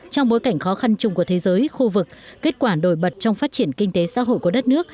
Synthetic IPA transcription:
t͡ɕɔ˧wŋ͡mɓo˨˦jka˧˩jŋ̟xɔ˨˦xa˧nt͡ɕʊ˧ŋ͡mku˧˩ət̪ʰe˨˦zəː˨˦jxu˧vɨ˨˩k̚ːe˦˥t̚kwaː˧˩ɗo˧˩jɓə˨˩t̚t͡ɕɔ˧wŋ͡mfaː˦˥t̚t͡ɕi˧˩ənkï˧ŋ̟t̪e˨˦sa̰ː˧˥ɦo̰˧˨jku˧˩əɗə˦˥t̚nɨ˦˥ək̚

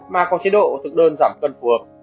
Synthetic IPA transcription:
maː˨˩kɔ˨˦nt͡ɕi˨˦ɗo̰˧˨t̪ʰɨ˨˩k̚ɗəː˧nzaː˧˩mkə˧nfu˨˦ək̚

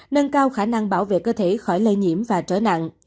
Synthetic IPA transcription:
nə˧nkaː˧wxaː˧˩na˧ŋɓaː˧˩wvḛ˧˨kəː˧t̪ʰe˧˩˦xɔ˧˩jlə˧jɲḭ˧˥əmvaː˨˩t͡ɕəː˧˦na̰˧˨ŋʔ

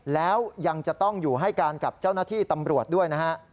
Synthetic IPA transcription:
lɛː˦˥wja˧ŋt͡ɕa˨˩t̪ɔ˥˩ŋjuː˨˩ɦa˥˩jkaː˧nka˨˩p̚t͡ɕa˥˩wnaː˥˩t̪ʰiː˥˩t̪a˧mɾu˨˩ət̪̚du˥˩əjna˦˥hʰa˦˥ʔ

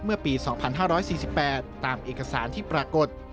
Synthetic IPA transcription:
mɯ˥˩ɐpiː˧sɔː˩˦ŋpʰa˧nɦaː˥˩ɾɔː˦˥jsiː˨˩si˨˩pːɛː˨˩t̪ːaː˨˧mʔeː˨˩ka˧saː˩˦nt̪ʰiː˥˩pɾaː˧ko˨˩t̪̚

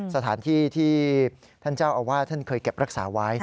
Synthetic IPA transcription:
sa˧t̪ʰaː˩˦nt̪ʰiː˥˩t̪ʰiː˥˩ | t̪ʰa˥˩nt͡ɕaː˥˩wʔa˧wːaː˥˩t̪ʰa˥˩nkʰɤː˧jke˨˩p̚ɾʔa˦˥k̚saː˩˦wa˦˥j

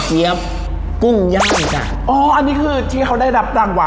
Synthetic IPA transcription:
ki˦˥əp̚ | ku˥˩ŋja˥˩ŋa˨˧˩ka̰ː˨˩ʔɔː˧˩ʔa˧niː˦˥kʰɯː˧˩t̪ʰiː˥˩kʰa˦˥wda˥˩jɾa˦˥p̚ɾaː˧˩ŋwa˧˦

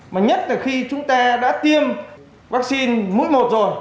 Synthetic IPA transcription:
maː˨˩ɲə˦˥t̚laː˨˩xi˧t͡ɕʊ˨˦ŋ͡mt̪aː˧ɗa̰ː˧˥t̪i˧əm | vaː˦˥k̚si˧nmṵ˧˥jmo˨˩t̚zo˨˩j

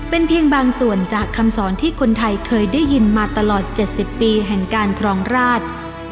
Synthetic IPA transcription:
pe˧npʰi˧əŋbaː˧ŋsu˨˩ənt͡ɕaː˨˩kʰːa˧msɔː˩˦nt̪ʰiː˥˩kʰo˧nt̪ʰa˧jkʰɤː˧jdaː˥˩ji˧nmaː˧t̪a˧lɔː˨˩t̪̚t͡ɕe˨˩t̪̚si˨˩pːiː˧ɦɛ˨˩ŋkaː˧nkʰɾɔː˧ŋɾaː˥˩t̪̚

